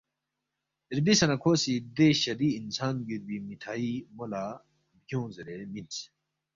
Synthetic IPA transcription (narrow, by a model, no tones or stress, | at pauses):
iɾbisɐnɐkʰoːsid̪eɕɐɾiːnsaːnɡiɾbimiʈʰaːimola | bɡjõːziɾemins